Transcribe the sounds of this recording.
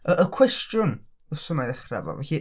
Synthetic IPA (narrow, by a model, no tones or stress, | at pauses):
əʔəkʰw̥ɛstjʊn | əsəmajðɛχra̰vɔ̰vɛ̰ɬi